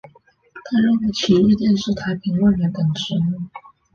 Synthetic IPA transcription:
t̪ʰa˥ɻə˥˩nwe˧˥ɪt͡ɕʰi˧˥i˥˧t̪jɛ˥˧nʂɻ̩˥˩t̪ʰa˧˥ɪpʰi˧˥ŋwə˥˩nɻə˧˥nt̪ə˨˩nʈ͡ʂɻ̩˧˥mu˧˥˩ŋ

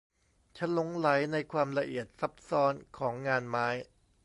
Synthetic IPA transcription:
t͡ɕʰa˦˥nlo˦˥ŋla˩˦jna˧jkʰwaː˧mla˧ʔi˨˩ət̪̚sa˦˥p̚sɔː˧˥nkʰɔː˩˦ŋːaː˧nmaː˦˥j

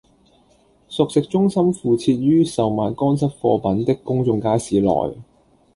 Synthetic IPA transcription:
sʊ˨k̚sɪ˨k̚t͡ʃʊ˥ŋsɐ˥mfuː˨t͡sʰiː˧t̚ɥyː˥sɐ˨wmaː˨nkɔː˥nsɐ˥t̚fɔː˧pɐ˨˥nt̪ɪ˥kːʊ˥ŋt͡sʊ˧ŋkaː˥jsiː˨˥lɔ̰ː˨˩j

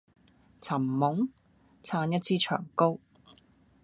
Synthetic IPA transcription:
t͡sʰɐ˨˩mːʊ˨˥ŋ | t͡sʰaː˧njɐ˥t̚t͡sʰiː˥t͡ʃʰœ̰ː˨˩ŋko˥w

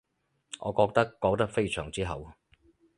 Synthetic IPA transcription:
ʔɔː˨˧kɔː˧k̚t̪ɐ˥kːɔː˨˥k̚t̪ɐ˥k̚fe˥jsʰœ̰ː˨˩ŋt͡siː˥ɦɐ˨w

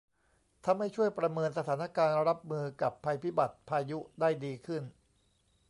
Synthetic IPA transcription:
t̪ʰa˧˥˧mːa˥˩jt͡ɕʰu˥˩əjpɾa˧mɤː˧ns̬a˧t̪ʰaː˩˦na˥˩kaː˧nɾa˦˥p̚mɯː˧ka˨˩pʰːaː˧jpʰi˦˥ba˨˩t̪̚pʰaː˧ju˦˥daː˥˩jdiː˧kʰɯ˥˩n

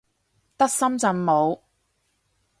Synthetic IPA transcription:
t̪ɐ˥k̚sɐ˥mt͡sɐ˨˧mmo˨˧w

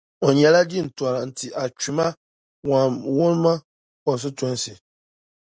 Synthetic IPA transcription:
o˨ɲɛ˨la˦di˦˨n̩˨tɔ˨ɾn̩˨ti˨ʔa˨t͡ʃi˨ma˦ | wa˨mwo˦n˦ma˦ | kɔ˨s̬ʊ˦tɔ˦n˦sɪ˨

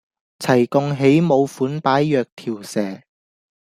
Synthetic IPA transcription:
t͡sʰɐ˨˩jkʊ˧ŋɦe˨˥jmo˨˧wfuː˨˥npaː˨˥jːœː˨˧k̚t̪ʰiː˨˩wsɛː˨˩

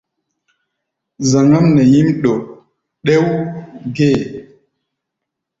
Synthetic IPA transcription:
za˨ŋa˦mnɛ˨ji˦mɗo˨ | ɗe˦wɡe˦˨

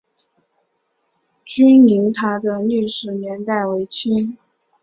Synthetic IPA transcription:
t͡ɕy˥ni˧˥ŋt̪ʰa˥d̪ə˧ly˥˧ʂɻ̩˥˩njɛ˧˥nt̪a˥˩ɪwe˧˥ɪt͡ɕʰy˥n

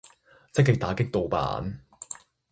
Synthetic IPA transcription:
t͡sɪ˥kːɪ˨k̚t̪aː˨˥kɪ˥k̚t̪o˨˧wpa̰ː˨˥n

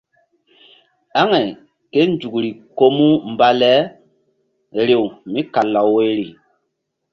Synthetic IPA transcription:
a˦ŋɛ˨ | ke˦n˦d͡ʒu˨kɾi˨ko˦mu˦mba˨˦lɛ˦ | ɾe˨wmĩ˦ka˨la˨wwe˦ɾi˨

